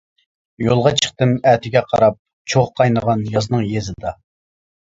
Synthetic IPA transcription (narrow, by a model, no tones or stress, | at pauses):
jolˠʁɑt͡ʃʰə̥χt̪ɨmæːt̪ʰɪɡʲɛqʰɑ̰ɾɑp̚ | t͡ʃʰoʁqʰɑjnəʁɑnjɑznɨŋjezɪd̪ɑ